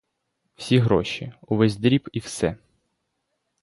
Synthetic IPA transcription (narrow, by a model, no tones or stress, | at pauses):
w̥sʲiɦɾɔʃḭʊʋɛzʲd̪ɾʲipiwsɛ